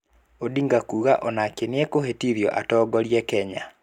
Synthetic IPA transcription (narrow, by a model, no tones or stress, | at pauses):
odiŋɡakuːɣaʔɔnakeneekohetiðjɔ̰ʔatɔːɡɔɾjɛkɛɲa